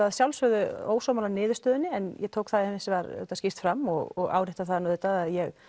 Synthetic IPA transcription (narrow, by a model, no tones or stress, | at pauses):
ðsjawlsœðʏo̰ːwsɔwmalanɪːðʏst̪œːðʏnːɪɛnjʔɛt̪ʰoːwkθaðhɪnsɪvaɾɛ̰t̪ascɪst̪fɾamːɔɣɔɣa̰ːwɾɪht̪aθaðnɔðɪt̪aðaðjɛɣ